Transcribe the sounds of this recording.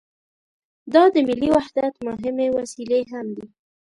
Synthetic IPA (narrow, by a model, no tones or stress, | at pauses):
d̪ɑd̪əmɪliwahd̪at̪mʊɦɪmewasileɦamd̪i